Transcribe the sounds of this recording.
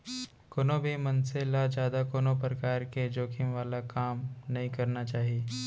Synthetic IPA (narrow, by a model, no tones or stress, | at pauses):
koːnobʱimɐnselad͡ʒjaːd̪akoːnop̬ɾəkaːɾked͡ʒoːkʰɪmʋaːlakaːmnɐɦĩkɐɾnat͡ʃaːɦieː